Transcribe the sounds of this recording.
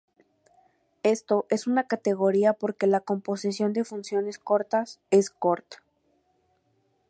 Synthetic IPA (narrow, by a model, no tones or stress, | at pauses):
e̞st̪o̞ʔe̞sunakat̪e̞ɣo̞ɾiapo̞ɾke̞lako̞mpo̞sisjo̞nd̪e̞funsjo̞ne̞sko̞ɾt̪ase̞sko̞ɾt̪ḁ